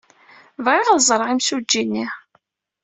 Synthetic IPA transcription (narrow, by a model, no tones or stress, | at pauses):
vʁiʁðzˤəɾˤʁimsud͡ʒːinːi